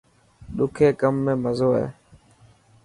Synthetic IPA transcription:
ɗʊkʰeːkəmːẽːməzoːɛ̰

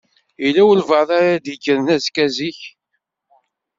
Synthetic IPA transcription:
ilːæwəlvəðˤaɾad̪iɡəɾnæzkæziç

